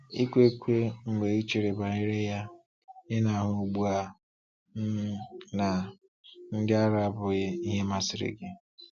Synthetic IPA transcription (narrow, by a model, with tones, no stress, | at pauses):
i˦kʷe˦kʷe˦ŋ̩˨ɡ͡be˨i˦t͡ʃi˨ɾe˨ba˨ɪ˦ɾe˦ja˦ | ɪ˦na˨ɦʊ˨u˨ɡ͡bu˦a˦ | na˨ | n̩˦dɪ˦a˦ɾa˦bʊ˨ɣɪ˦i˦ɦe˦ma˦sɪ˨ɾḛ˨ɡɪ˦